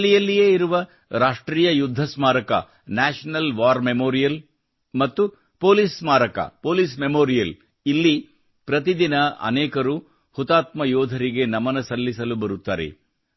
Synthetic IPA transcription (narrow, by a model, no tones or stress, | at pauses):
lijɐlːijeːiɾuʋɐ | ɾaːʂʈɾiːjɐjud̪ʱːɐsmaːɾɐkɐ̰ | naːʂɐnɐlʋaːɾmemoːɾijɐl | mɐt̪ːu | poːlismaːɾɐkɐ̰poːliːsmemoːɾijɐl | ilːi | pɾɐt̪id̪inɐɐ̰nɛːkɐɾu | hut̪aːt̪mɐjɔːd̪ʱɐɾiɡe̞nɐmɐnɐsɐlːisɐlubɐɾut̪ːaːɾḛ